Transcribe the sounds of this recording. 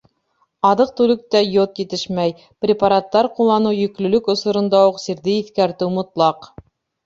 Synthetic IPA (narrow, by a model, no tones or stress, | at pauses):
ɑðɤq̚t̪ʉlɵk̚t̪æjot̪jɘ̆t̪ɘʃmæj | prʲɪpaɾat̪ːɑɾqulˠːɑnɤwjɵ̆klɵ̆lɵkŏsŏɾɤ̆nd̪ɑuqsiɾðɘiθkæɾt̪ɘwmŏt̪lˠɑq